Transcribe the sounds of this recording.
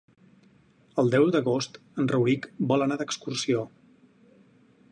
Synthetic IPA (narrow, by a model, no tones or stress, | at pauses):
əlˠd̪ɛwd̪əɣost̪ | ənrəwikbɔlənaðəkskursio